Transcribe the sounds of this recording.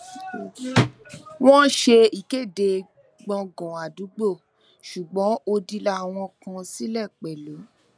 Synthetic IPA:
w̃ɔ̃˦ʃe˧i˨ke˦˨de˨˧ | ɡ͡bɔ̃˧ɡɔ̃˨a˨du˨˦ɡ͡bo˦˨ | ʃu˨ɡ͡bɔ̃˨˦ʔo˧di˧la˧˦˨w̃ɔ̃˧kã˧si˦lɛ˦˨k͡pɛ˨lo˨˦

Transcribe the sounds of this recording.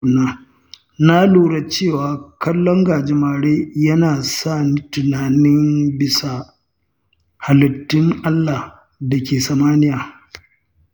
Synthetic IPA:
naː˦ | na˦luː˨ɽa˨t͡ʃeː˦˨waː˨kɐ˦lːɔ˦ŋɡaː˨d͡ʒɪ˦maː˨ɽeː˦jɐ˦naː˨saː˦˨ni˦tʊ˨naː˨nɪ˦mbɪ˨sa˨ | ha˨lɐ˨tːɪ˦ŋʔa˦lːa˨ | da˨kʲeː˨sa˨maː˦nɪ˦jaː˨

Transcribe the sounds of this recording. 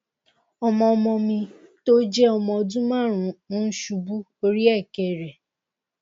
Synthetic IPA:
ɔ˦mɔ̃˧ɔ˧mɔ̃˧mĩ˧to˦d͡ʒɛ˦ɔ˧mɔ̃˧˨dũ˦mã˦˨ɾũ˨˦ʃu˧bu˦ | o˧ɾi˦ɛ˦˨kɛ˨ɾɛ˨

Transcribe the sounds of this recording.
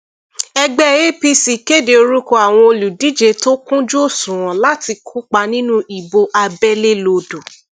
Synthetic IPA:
ɛ˧ɡ͡bɛ˦˨je˦pi˦˧si˨ke˦˨de˨o˧ɾu˦ko˦˨a˨w̃ɔ̃˧o˧lu˨di˨˦d͡ʒe˧to˦kũ˦d͡ʒu˦o˦˨sũ˨ɾ̃ɔ̃˨la˦ti˧kʰu˦k͡pa˧nĩ˦nũ˦i˨bo˧ʔa˧bɛ˦le˦lo˧do˨

